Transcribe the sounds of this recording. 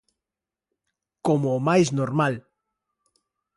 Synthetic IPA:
komoːmajznoɾmal

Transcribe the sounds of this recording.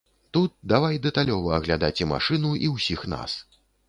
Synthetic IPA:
t̪ut̪̚d̪avajd̪ɛt̪alʲɔvɐɐɣlʲad̪at͡sʲɛma̰ʂɨnuʔiwsʲixna̰s

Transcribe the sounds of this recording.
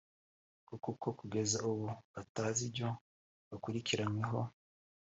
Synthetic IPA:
kukukokuɡe̞zauβoataːzibɟo̞ | βakuɾikiɾaɲweɦo̞

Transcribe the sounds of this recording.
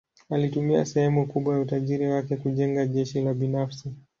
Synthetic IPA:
alitumia̰sɛhɛmukuɓwajautaʄiɾiwakɛkuʄɛŋɡaʄɛʃilaɓinafsi

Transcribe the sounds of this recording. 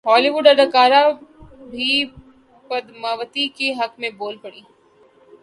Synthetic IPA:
ɦɔːliʋʊɖɐɾɐkaːɾabʱi | pɐd̪maːʋət̪ikeɦɐkmẽboːlpɐɽiː

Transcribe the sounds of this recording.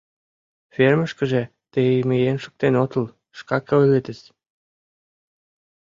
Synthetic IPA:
ferməʃkə̆ʒĕ | t̪emejenʃə̥k̚t̪enot̪əl | ʃkɑkəølet̪əs

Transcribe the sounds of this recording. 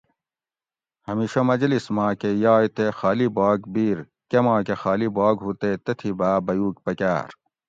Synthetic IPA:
hɐmiːɕɐmɐd͡ʑlismãːkejaːjt̪exaːlibaːɡbiːɾ | kemãːkexaːlibaːɡɦut̪et̪et̪ʰibaːbɐjuːkpɐka̰ːɾ

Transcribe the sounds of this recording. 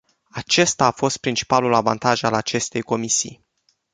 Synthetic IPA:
at͡ʃe̞st̪aːfo̞st̪̚pɾint͡ʃi̥palulavant̪aʒalat͡ʃe̞st̪e̞jko̞misḭj

